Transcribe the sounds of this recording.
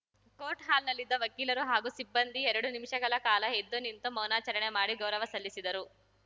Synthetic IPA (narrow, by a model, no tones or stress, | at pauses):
koːʈɦaːlnɐlːid̪ːɐʋɐkiːlɐɾuɦaːɡusibːɐnd̪iɛɾɐɽunimiʂɐɡɐɭɐkaːlɐed̪ːonint̪umɐwnaːt͡ʃɐɾɐɳe̞maːɽiɡɐwɾɐʋɐsɐlːisid̪ɐɾu